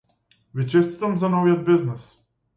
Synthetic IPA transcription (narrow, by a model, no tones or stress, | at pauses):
vit͡ʃɛst̪i̥t̪amzanɔvijɔd̪̚bɛznɛs